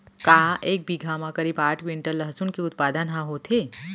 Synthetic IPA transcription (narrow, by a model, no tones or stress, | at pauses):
kaːeːk̚bʱiɡʱaːmãkɐɾiːbaːʈʰʋɪ̃ɳʈəlːɐɦsʊnkeʊt̪̚paːd̪ənɦãɦoːt̪ʰeː